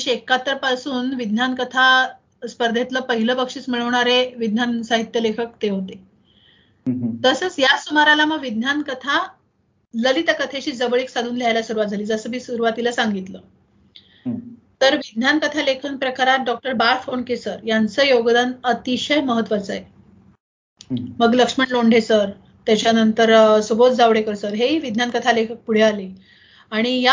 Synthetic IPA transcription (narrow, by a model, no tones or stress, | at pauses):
ɕiekːat̪əɾpasuːnʋid̪nankət̪ʰa | spəɾd̪ʱet̪ləːpəɦiləpəkʂiːt͡smiɭəʋɳaɾeʋid̪nansaɦit̪jəlekʰək̚t̪eɦot̪e | t̪əsəːt͡sjasumaɾalaməɡʋid̪nankət̪ʰa | ləlit̪akət̪ʰeɕiːd͡zəʋəɭeksad̪ʱuːnljajlaɕuɾuʋat̪̚d͡zʱaliːd͡zəsəːmiːsuɾuʋat̪ilasaŋɡit̪ləː | t̪əɾʋid̪nankət̪ʰalekʰənpɾəkaɾat̪̚ɖɔk̚ʈəɾbaɾffonkesəɾjant͡səːjoɡd̪anət̪iɕəjməɦət̪ːʋat͡sa̰je | məɡləkʂməɳloɳɖʱesəɾ | t̪jat͡ɕjanənt̪əɾsubot̪d͡zaʋɽekəɾsəɾɦeɦiːʋid̪ʱnankət̪ʰalekʰək̚puɽ̤eale | aɽ̃ija